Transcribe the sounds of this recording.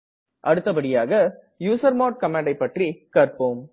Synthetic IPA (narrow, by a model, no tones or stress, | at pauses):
ʔɐɽɯt̪ːɐbɐɽɪjaːɣɐ | juːsɐɾmoːʈ̚kɐmeːɳɖɐɪpːɐʈrikɐɾpoːm